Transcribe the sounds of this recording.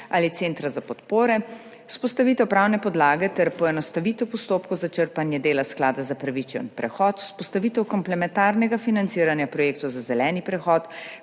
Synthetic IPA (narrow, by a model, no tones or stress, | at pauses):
aːlit̪seːnt̪ɾazapɔt̪poːɾɛ | u̥spɔst̪aʋiːt̪ɛwpɾaːwnɛpɔd̪laːɡɛt̪ɛɾpɔɛnɔst̪aʋiːt̪ɛwpɔst̪oːp̚kɔwzat͡ʃəɾpanjɛd̪eːlasklaːd̪azapɾaʋit͡ʃɛ̰npɾɛxɔːt̪spɔst̪aʋiːt̪ɛwkɔmplɛmɛnt̪aːɾnɛɡafinant̪siːɾanjapɾɔjeːkt̪ɔwzazɛlɛːnipɾɛxɔːt̪